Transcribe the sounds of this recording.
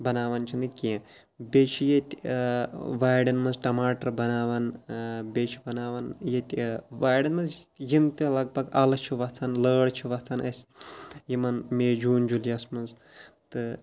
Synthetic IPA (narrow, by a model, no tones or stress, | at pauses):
bɐnaːʋɐnt͡ʃʰinɨkʲiẽ | bʲet͡ʃʰijet̪ʲ | ʋaːjɖɐnmɐzʈɐmaːʈɐɾbɐnaːʋɐnbʲet͡ʃʰibɐnaːʋɐnjet̪ʲʋaːjɖɐnmɐzjimt̪ʲɐlɐɡ̚bɐɡɐlt͡ʃʰiʋɐt͡sʰanləːɽt͡ʃʰiʋɐt͡sʰɐnɐsʲjimɐnmeːd͡ʒuːnd͡ʒuljɐsmɐnz | t̪ɨ